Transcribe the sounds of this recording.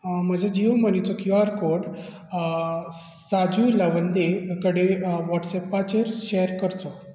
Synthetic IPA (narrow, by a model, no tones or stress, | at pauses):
məd͡ʑʱad͡ʑiʋmənit͡sɔkjuaɾkoɽ | sad͡zujləʋənd̪ekəɽeʋɔʈsɛpːat͡ɕeɾɕɛjəɾkəɾt͡s̪o